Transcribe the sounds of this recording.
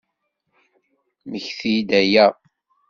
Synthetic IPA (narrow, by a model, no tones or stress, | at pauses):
məçθid̪æjæ